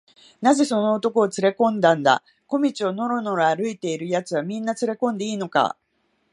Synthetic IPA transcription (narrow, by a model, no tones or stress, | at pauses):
naze̞so̞no̞ot̪o̞ko̞ːt͡sɨɾe̞kõ̞nd̪ãnd̪a̰ | ko̞mʲit͡ɕio̞no̞ɾo̞no̞ɾaaɾɯ̟it̪e̞iɾɯ̟jat͡sɨβ̞amʲĩnːat͡sɨɾe̞kõ̞nd̪e̞iːno̞ka̰